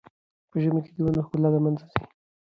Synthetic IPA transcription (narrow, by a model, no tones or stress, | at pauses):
pəʒəmeked̪əwanoxkʊlad̪amanzazi̥